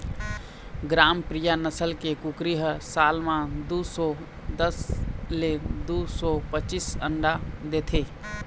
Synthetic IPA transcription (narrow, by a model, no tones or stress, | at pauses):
ɡɾampɾijanəsəlkekukɾiɦəsalmãd̪usɔ | d̪əsled̪usɔpət͡ʃisə̰ɳɖad̪et̪ʰe